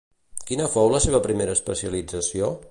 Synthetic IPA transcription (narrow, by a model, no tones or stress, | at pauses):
kinəfowləseβəpɾimeɾəːspəsiəlid͡zəsio